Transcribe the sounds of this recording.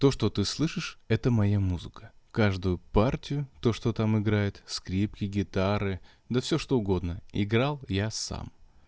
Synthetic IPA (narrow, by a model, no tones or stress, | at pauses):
t̪o̞ʂt̪o̞t̪ɨslˠɨʂɨʂɛt̪əmɐjamuzɨkə̥kaʐd̪ʊjʊpartʲɪjʊt̪o̞ʂt̪ot̪amɪɡɾajɪt̪skɾʲipkʲɪɡʲɪt̪aɾɨ | d̪əfsʲoʂt̪o̞ʊɡo̞d̪nəɪɡɾalˠjasa̰m